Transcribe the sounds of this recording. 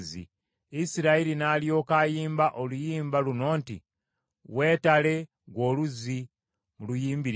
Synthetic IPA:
zḭ | isiɾaiɾinaljo̞ːkaːjiːmbaʔolujiːmbaluno̞ːntḭ | we̞ːtale̞ | ɡwo̞ːluzi | mulujiːmbiɾ

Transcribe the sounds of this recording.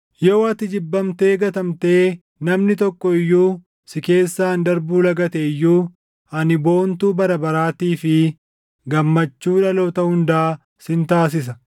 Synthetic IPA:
jɛɐt̪ɪd͡ʒɪbːɐmt̪e̞ːɡɐt̪ɐmt̪e̞ː | nɐmnɪt̪ɔkːɔɪjːuː | sɪke̞ːsːaːnd̪ɐɾbuːlɐɡɐt̪ejːuː | ɐnɪbo̞ːnt̪uːbɐɾɐbɐɾaːt̪iːfɪ | ɡɐmːɐt͡ʃːuːᶑɐloːt̪ɐhʊnd̪aː | sɪnt̪aːs̬ɪs̬ɐ

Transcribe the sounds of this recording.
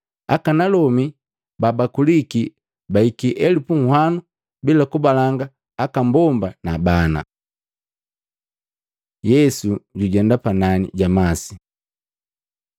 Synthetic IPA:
akanalɔmi | babakuliki | baikiʔɛlipuŋ̩hwanu | bilakubalaŋɡaː | kambɔmbanabana̰ | jɛsuɟuɟɛndapananḭɟamasi

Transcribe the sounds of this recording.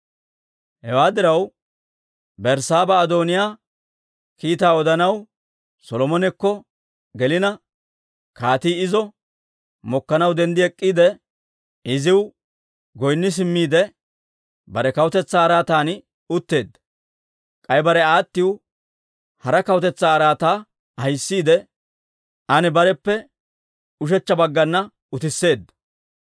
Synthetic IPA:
hɛwaːd̪ɪɾɐw | bɛɾsaːbɐːd̪oːnɪjaː | kiːt̪aːɔd̪ɐnɐw | sɔlɔmɔnɛkːɔ | ɡɛlɪnɐ | kaːt̪iːɪzɔ | mɔkːɐnɐwd̪ɛnd̪ɪɛkʼːiːd̪ɛ | ɪzɪw | ɡɔjnːɪs̬ɪmːiːd̪ɛ | bɐɾɛkɐwʊt̪ɛt͡sːaːɾaːt̪aːn | ʊt̪ːe̞ːd̪ːɐ̥ | kʼɐjbɐɾɛaːt̪ːɪw | hɐɾɐkɐwʊt̪ɛt͡sːaːɾaːt̪aː | hɐjsːiːd̪ɛ | ʔɐnɛbɐɾɛpːɛ | ʊʃ̬ɛt͡ʃːɐbɐɡːɐnːɐ | ʊt̪ɪsːe̞ːd̪ːɐ̥

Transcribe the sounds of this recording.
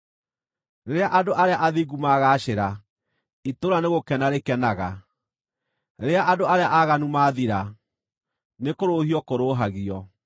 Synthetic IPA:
neɾeaʔadoʔaɾeaʔaðiɡumaɣaːɕeɾa | itoɾaneɣokɛnaɾekɛnaɣa | neɾeaʔadoaɾeaʔaɣanumaːðiɾa | nekoɾohiɔkoɾoːɦaɣiɔ

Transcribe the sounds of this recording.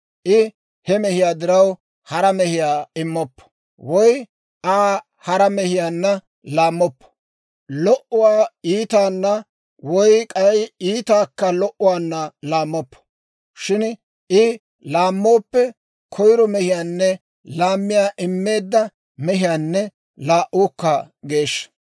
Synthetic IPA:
ʔɪ | hɛmɛhɪjaːd̪ɪɾɐw | hɐɾɐmɛhɪjaːɪmːɔpːɔ̥ | wɔj | ʔaː | hɐɾɐmɛhɪjaːnːɐ | laːmːɔpːɔ̥ | lɔʔʊwaːiːt̪aːnːɐ | wɔjkʼɐjiːt̪aːkːɐlɔʔʊwaːnːɐlaːmːɔpːɔ̥ | ʃɪn | ɪ | laːmːo̞ːpːɛ | kʰɔjɾɔmɛhɪjaːnːɛ | laːmːɪjaːʔɪmːe̞ːd̪ːɐ | mɛɦɪjaːnːɛ | laːʔuːkːɐ | ɡe̞ːʃːɐ̥

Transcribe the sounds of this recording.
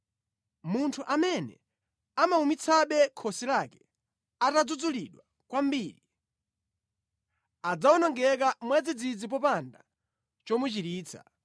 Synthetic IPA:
muntʰuʔamɛnɛ̰ | amaumit͡sʰaɓɛkʰɔsilakɛ̥ | atad͡zud͡zuliɗwa | kwam̩biːɾi | ad͡zawɔnɔŋɡɛkamwad͡zid͡zid͡zip̬ɔpanda | t͡ʃɔmut͡ʃiɾiːt͡sʰḁ̰

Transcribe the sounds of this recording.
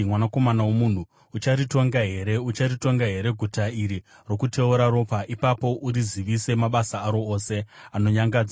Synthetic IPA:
mwanako̞manawomun̤u | ut͡ʃaɾito̞ŋɡaɦe̞ɾe̞ut͡ʃarito̞ŋɡaɦe̞ɾe̞ɡʱutaiɾi | ro̞kutʰe̞uɾaɾo̞paʔipapo̞ʔuɾiziʋise̞maɓasaːɾo̞ːse̞ano̞ɲaŋɡaːd͡za

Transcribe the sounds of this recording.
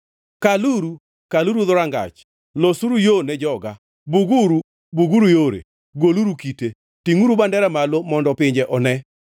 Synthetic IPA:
kaluɾu | kaluɾuðʊɾaŋɡa̰t͡ʃ | losuɾujonɛd͡ʒɔɡa | buɡuɾu | buɡuɾujoɾḛ | ɡoluɾukite | tiŋuɾubandɛɾamalomɔndɔpɪɲd͡ʒeʔɔnɛ

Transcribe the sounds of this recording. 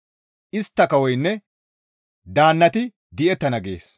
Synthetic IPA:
ʔɪst̪ːɐkɐwɔjnːɛ | d̪aːnːɐt̪ɪ | d̪ɪʔɛt̪ːɐnɐɡḛːs

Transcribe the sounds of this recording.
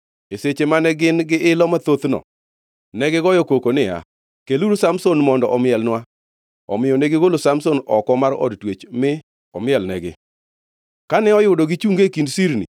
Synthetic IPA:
eset͡ʃemanɛɡɪnɡɪʔɪlɔmat̪ot̪nɔ̰ | nɛɡɪɡɔjokokonɪja̰ | keluɾusamsonmɔndɔʔɔmɪɛlnwa | ɔ̰mɪjɔneɡɪɡolosamsonɔkɔmarɔ̰dtwet͡ʃmɪ | ɔmɪɛlnɛɡɪ | kanɛɔjʊdoɡɪt͡ʃuŋɡekindsiɾnḭ

